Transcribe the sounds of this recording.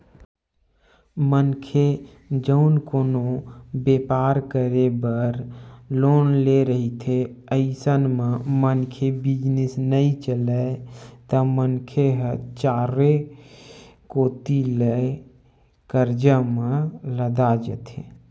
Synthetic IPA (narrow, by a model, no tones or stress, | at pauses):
mənkʰe | d͡ʒəʊnkonobepaɾkəɾebəɾlonleɾəɦit̪ʰeəɪsənmemənkʰebid͡ʒnesnəit͡ʃələt̪əmənkʰeɦət͡ʃaɾe | kot̪ilə | kəɾd͡ʒəmẽləd̪ad͡ʒə̰t̪ʰḛ